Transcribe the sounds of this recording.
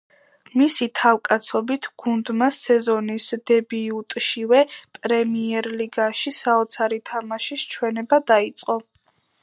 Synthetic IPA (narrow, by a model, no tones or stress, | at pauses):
misit̪ʰawkʼat̪sʰɔbit̪ʰɡ̥und̪masɛzɔnisd̪̥ɛbiut̪ʼʃivɛpʼɾɛmiɛɾliɡaʃisaɔt̪sʰaɾit̪ʰamaʃist͡ʃʰwɛnɛbad̪ait̪sʼqʼɔ